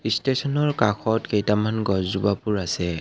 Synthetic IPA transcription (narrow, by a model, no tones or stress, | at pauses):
istesɔnɔɹkakxʰɔtkejtamanɡɔzzubapuɹasɛ